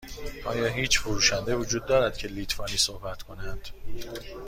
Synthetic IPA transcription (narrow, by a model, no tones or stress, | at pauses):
ʔɒ̰ːjɒːɦiːt͡ʃfoɾuːʃænd̪evod͡ʒuːd̪̚ːɒːɾæd̪̥̚cʰe̞liːt̪ʰfɒːniːsohbæt̪kʰo̞nænd̪̥